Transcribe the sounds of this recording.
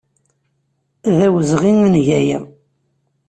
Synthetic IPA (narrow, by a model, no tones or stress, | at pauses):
ðæwəzʁinənʝæjə